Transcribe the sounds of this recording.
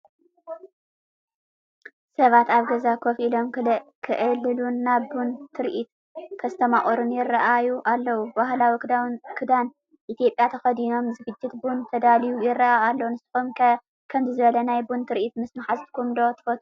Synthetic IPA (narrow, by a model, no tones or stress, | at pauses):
sɐβat̪aβɡɐzakʰofilo̞mkʰɨʔɨlːɨlunːaβbunt̪ʰɨɾʔit̪ | kʰɐst̪ʰɐmaχʼoɾunjɪrɐʔajuʔalːɐwubahlawikʰɨd̪an | ʔit̪ʰijo̞pʼjat̪ʰɐxɐd̪ino̞mzɨɡɨd͡ʒːɪt̪bunt̪ʰɐd̪alijujɪrːɐaalːɐwunɨsɨ̥xom | kʰɐmzɨzɨβɐlɐnajbunt̪ʰɨɾʔit̪mɨsmaħazt̪ʰɨ̥kʰumd̪o̞t̪ʰɨ̥fɐt̪ʰʼu̥